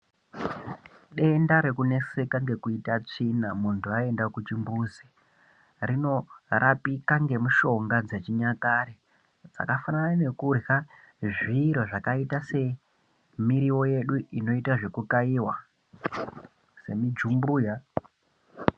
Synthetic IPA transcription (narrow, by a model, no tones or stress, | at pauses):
ɗe̞ndaɾe̞kune̞se̞kaŋɡe̞kuitat͡ʂinamuntʰuae̞ndakut͡ʃimbuːzi | rino̞rapikaŋɡe̞muʃo̞ŋɡad͡zet͡ʃiɲakaɾi | d͡za̰kafananane̞kurɣa | ʐiɾoʐakaitase̞ | miɾiwo̞je̞ɗuʔino̞itaʐe̞kukaiwa | se̞mid͡ʒumbuːja